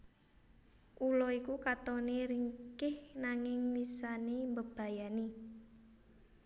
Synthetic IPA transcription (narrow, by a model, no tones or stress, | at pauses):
ʔulɔikukat̪ɔneɾiŋkɪhnaŋɪŋlisanembəb̥a̤jane